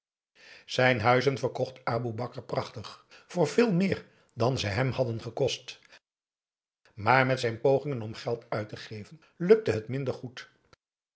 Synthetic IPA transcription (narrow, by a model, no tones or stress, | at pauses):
z̥ɛjnɦœɥzənvəɹkɔχtaːbubɑkəɹprɑχtəχv̥ʊːɹvɪːlˠmɪːɹ | dɑnzəjɦɛmhɑdənχəkɔst | maːɹmɛtsɛjnpowχɪŋənɔmχɛlˠtœɥtəχejvən | lɵk̚təɦətmɪndəɹχut